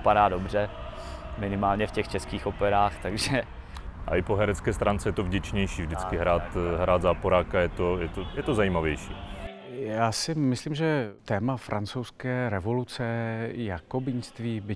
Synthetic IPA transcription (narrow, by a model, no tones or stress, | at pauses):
padaːdobr̝ɛ | mɪnɪmaːlɲɛfcɛxt͡ʃɛskiːxopɛɾaːxt̪aɡʒɛ | ʔa̰ʔɪpoɦɛɾɛt͡skɛːst̪ɾaːnt͡sɛjɛt̪ovɟɛt͡ʃɲɛjʃiːvdɪt͡skɪɦɾaːt̪ɦɾaːd̪zaːpoɾaːkajɛt̪ojɛt̪ojɛt̪ozajiːmavjɛjʃiː | jaːsɪmɪsliːmʒɛt̪ɛːmafɾʔant͡sowskɛːɾɛvo̞lut͡sɛjakobɪɲst̪viːbɪ